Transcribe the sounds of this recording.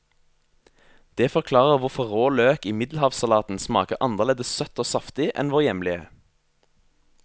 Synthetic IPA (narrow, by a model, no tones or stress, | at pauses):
d̪̥eːfɔʁkʰlɑːʁəʁʋʊʁfɔʁoːløːkɪmɪd̪l̩hɑːʋsɑlɑːt̪n̩smɑ̰ːkəʔɑnəʁleːd̪əssœt̪oːsɑft̪ɪʔɛ̰nʋoːʁjɛmlɪə̰